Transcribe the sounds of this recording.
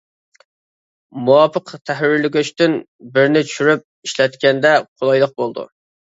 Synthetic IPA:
muwɑpʰəqt̪ʰæhɾɪɾlɪɡʲyt͡ʃt̪ɪn | bɪɾnɪt͡ʃʰyʃyɾyp̚iʃlɛt̪kʲɛnd̪ɛqʰolˠɑjlˠəq̚bolˠd̪ṵ

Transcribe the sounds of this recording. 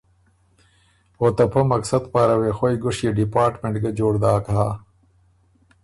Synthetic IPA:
oːt̪ɐpʰɐmɐksɐd̪paːɾɐweːxojɡoʂjeɖipaːɾʈmẽɳʈɡɐd͡ʑoːɽd̪aːkaː

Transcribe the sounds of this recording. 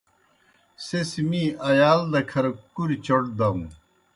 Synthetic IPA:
sesimiɐjaːld̪ɐkʰɐɾkuɾit͡ɕɐʈ̚d̪ɐm

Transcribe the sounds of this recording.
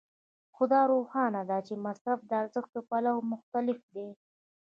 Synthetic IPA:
xʊd̪ɑɾohɑnad̪at͡ʃemasɾafd̪əaɾzəxt̪opalawmʊxt̪alɪfd̪e

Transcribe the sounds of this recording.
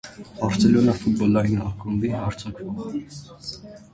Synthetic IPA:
ɑɾsɛlɔnɑfut̪̚bɔlɑinɑχkumbiɦɑɾt͡sʰɑkʰɔ

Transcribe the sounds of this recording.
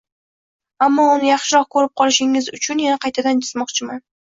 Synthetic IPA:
amːɒʊnɪjɑχʃɪɾɒq̚kʰɵɾɪp̚qʰɒlˠɪʃɪŋɪzʊt͡ʃʰʊnjanaqʰɑjt̪ʰad̪and͡ʒʰɪzmɒqt͡ʃʰɪman

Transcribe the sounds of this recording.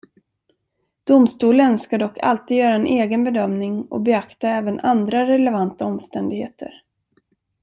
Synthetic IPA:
d̪̥ʊmst̪uːlənskad̪ɔkːa̰lt̪iːd̪jœːɾaɛnʔeːɡənbɛd̪œmnɪŋɔ̰bɛakt̪aɛːvənand̪ɾaɾɛlɛvant̪aɔmst̪ɛnd̪ɪɡhḛːt̪ʰə̰ɾ

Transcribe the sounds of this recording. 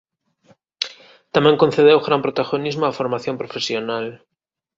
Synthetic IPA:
t̪amjeŋko̞n̟θeðewɣɾampɾot̪aɣonizmoafo̞ɾmaθjompɾofe̞sjonal

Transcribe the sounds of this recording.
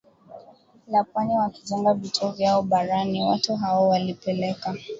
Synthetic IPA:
lapwaniwakiʄɛŋɡavitʰuɔvjaɔɓaɾaniwatuɦawɔwalipɛlɛka

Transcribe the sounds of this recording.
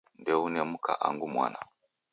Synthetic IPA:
ndɛunemuka̰ʔaŋɡumwa̰na

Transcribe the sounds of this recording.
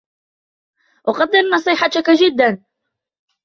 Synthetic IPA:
ʔʊqɑd̪ːɪɾnɑsˤiːħɑt̪kad͡ʒɪd̪ːan

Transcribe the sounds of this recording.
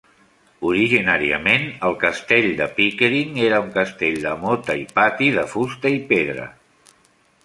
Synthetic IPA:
uɾiʒinaɾiə̰menəlˠkəst̪eʎd̪əpikɾiŋeɾəuŋkəst̪eʎd̪əmot̪əipat̪iðəfust̪əipeðɾə̰

